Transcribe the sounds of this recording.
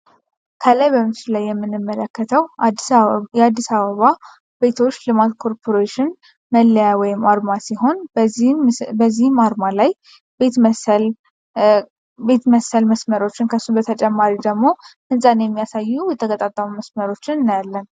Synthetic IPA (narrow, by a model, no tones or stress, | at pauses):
kʰəlajbəmɨt͡ʃɪlajːɛmːɨnːɨmːələkːət̪ʰəw | jɛad̪ːisaβəβa | be̞t̪ʰo̞t͡ʃːlɨmat̪kʰo̞ɾpʰo̞ɾeʃɪn | məlːəjawɔjɪmaɾmasiɦo̞n | bəzːihɨmaɾmalaj | bet̪l | be̞t̪məsəlməsməɾo̞t͡ʃːɪnkʰəsːubət̪ʰət͡ʃʼɛmːaɾid̪əɡmo̞hɨnsʼanjɛmːijasajːujɛt̪ʰəkʰʼət̪ʼat̪ʼːəmuməsməɾo̞t͡ʃːɪnɨnːjalːən